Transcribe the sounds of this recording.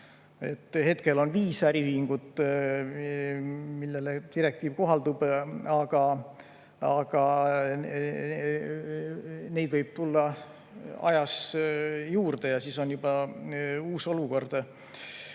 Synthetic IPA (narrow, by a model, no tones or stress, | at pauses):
e̞t̪ːˑhe̞t̪ke̞lo̞nviːsæɾihyhiŋɡ̥ut̪ | milːe̞let̪iɾe̞k̚t̪iːvko̞ɦɑld̪ub̥ɑɡ̥ɑ | ɑɡ̥ɑ | ne̞jd̪vɤjb̥̚t̪ulːɑ | ɑ̰jɑs | juːrd̪̥e̞jɑsiːso̞njubɑ | uːso̞luko̞rd̪̥